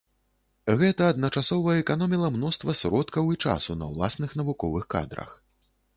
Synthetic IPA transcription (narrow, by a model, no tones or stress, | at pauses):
ɣɛt̪ɐːd̪nɐt͡ʂasɔvɐɛkanɔmʲilˠɐmnɔst̪vɐsɾɔt̪kɐwit͡ʂa̰sunɐ̰wlˠa̰snɨxn̪ɐvukɔvɨxka̰d̪ɾɐ̰x